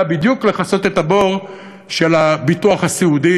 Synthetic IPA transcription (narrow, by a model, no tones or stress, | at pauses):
bid̪jukleχaso̞t̪e̞t̪abo̞ʁ | ʃelabituaχasiudi